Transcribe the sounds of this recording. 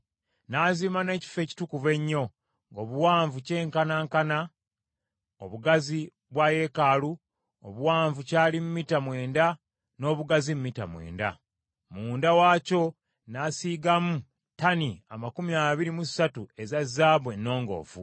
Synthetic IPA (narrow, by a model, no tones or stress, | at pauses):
naːziːmane̞ːci̥fe̞ːci̥tukuβe̞ɲːo̞ | ŋɡoːβuwaːɱvuce̞ːŋkanaːŋkana | oβuɡazi | βwaje̞kaːlu | o̰βuwaːɱvucaːlimumitamwe̞ːnda | no̞ːβuɡazimumːita̰mwe̞̰ːnda̰ | muːndawaːco̞ | naːsiːɡamu | tania̰makumiaβiɾimusatue̞zazːaːβwe̞nːo̞ːŋɡo̞̰ːfṵ